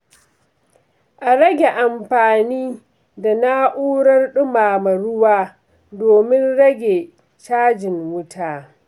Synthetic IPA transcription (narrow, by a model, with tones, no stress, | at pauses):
ʔa˨ɾɐ˦ɡʲe˨ʔa˨mɸaː˨niː˦ | da˨na˦ʔuː˦ɽɐ˦rɗʊ˦maː˨mɐ˨ɽʊ˦waː˦ | doː˨mɪ˦nɽɐ˦ɡʲe˨ | t͡ʃaː˦d͡ʒɪ˨ŋwʊ˦tʰaː˨